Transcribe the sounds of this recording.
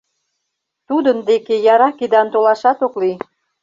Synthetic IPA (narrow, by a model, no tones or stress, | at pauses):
t̪ud̪ənd̪ekejɑɾɑked̪ɑnt̪olɑʃɑt̪okli